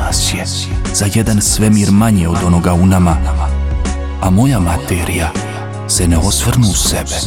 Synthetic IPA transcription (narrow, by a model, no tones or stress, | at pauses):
sje | z̥ajed̪ansʋemiːɾmaɲeod̪o̞no̞ɡaunama | amo̞jamat̪eːɾija | seneosʋrnusebe